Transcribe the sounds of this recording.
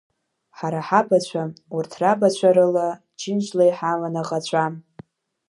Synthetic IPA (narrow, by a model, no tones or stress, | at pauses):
ħaɾaħabat͡ɕʷʰaurtʰrabat͡ɕʷʰaɾɨla | t͡ʃʰɪnt͡ʃʷlajħamanaʁʼat͡ɕʷʰam